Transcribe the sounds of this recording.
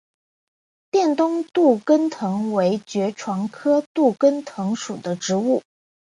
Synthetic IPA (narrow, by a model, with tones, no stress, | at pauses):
t̪jɛ˥˩nt̪ʊ˥ŋt̪u˥˩kə˥nt̪ʰɤ˧˥ŋwe˧˥ɪt͡ɕɥɛ˧˥ʈ͡ʂʰwɑ˧˥ŋkʰɤ˥t̪u˥˩kə˥nt̪ʰɤ˧˥ŋʂu˨˩d̪ə˦ʈ͡ʂɻ̩˧˥u˥˩